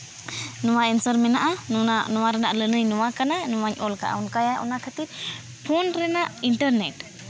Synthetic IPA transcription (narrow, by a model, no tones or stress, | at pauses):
nɔwaɛnsəɾmɛnaʔananɔwaɾɛnaʔlənəjnɔwakananɔwaɲɔlka̰ʔa̰ɔnkajaʔɔ̰nakʰat̪it̪ | pʰɔnɾɛnaʔiɳʈəɾnɛʈ